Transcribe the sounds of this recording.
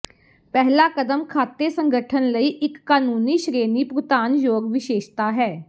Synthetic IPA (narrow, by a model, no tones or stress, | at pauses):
pɛɦlaːkəd̪əmkʰaːt̪ːeːsəŋɡəʈʰənləiːʔɪkːaːnuːniːʃɾeːniːpɾʊt̪aːnjoːɡʋɪʃeːʃt̪aːɦɛː